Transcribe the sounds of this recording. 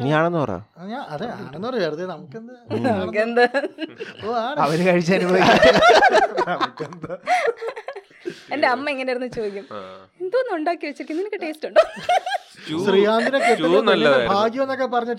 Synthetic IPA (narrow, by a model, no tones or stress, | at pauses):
niaːɳe̞nːɨpɐr̰ːɲaːnɐðeaːɳenːupɐreʋeɾuðenɐmukːend̪ɐnɐmukːend̪ɐ | oːaːɳɐʋɐɾɨkɐɻit͡ɕːɐnubɐʋia | nɐmukːend̪ɐ | endeɐmːɐeŋːɐne̞jiɾunːɨt͡ɕoːd̪ikʲːum | end̪oːnːuɳɖaːkːikɐɭit͡ɕːiɾikʲːunːenikːɨʈe̞ːstuɳɖo | sriːaːnd̪ʱinekeʈːnɐlːɐbʱaːɡjɐmenːokːep̬ɐrɐɲːɐʈ